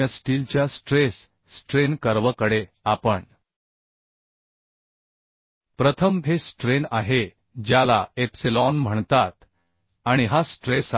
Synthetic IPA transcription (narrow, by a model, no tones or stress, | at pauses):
əsʈilt͡ɕjasʈɾesː | ʈɾenkəɾʋəkəɽe | apəɳ | pɾət̪ʰəmɦesʈɾena̰ɦe | d͡ʑjala̰epsilɔnm̤əɳt̪at̪ | aɽ̃iɦasʈɾes